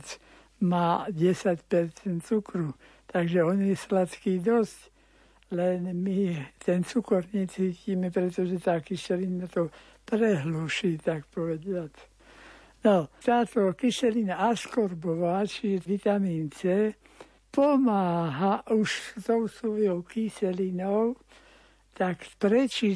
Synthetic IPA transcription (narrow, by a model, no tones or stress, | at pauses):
t͡s | maːɟɛsacpɛɾt͡sɛnt̪t͡sukɾu | t̪aɡʒɛɔnjɛslat̪kiːd̪ɔsc | lɛnmit̪ɛnt͡sukɔɾɲɛt͡siːciːmɛpɾɛt̪ɔʒɛt̪aːkiʃɛlinat̪ɔ | pɾɛɦluːʃiːt̪akpɔʋɛɟɪat͡s | nɔt̪aːt̪ɔkisɛlinaaskɔɾbɔʋaːt͡ʃiʒɛʋit̪amiːnt͡sɛ | pɔmaːɦaʔuʃt̪ɔʊsuʋjɔʊkisɛlinɔʊ | t̪akpɾɛt͡ʃi